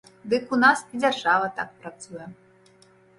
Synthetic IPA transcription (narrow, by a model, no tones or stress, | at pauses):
d̪ɨkunasid͡zʲarʐavɐt̪a̰k̚pɾat̪sujɛ